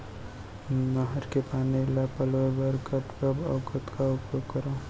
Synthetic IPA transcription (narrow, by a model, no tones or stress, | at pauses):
naɦəɾkepaːnilapəlobəɾkəpkəbəkət̪kaʊpjokəɾo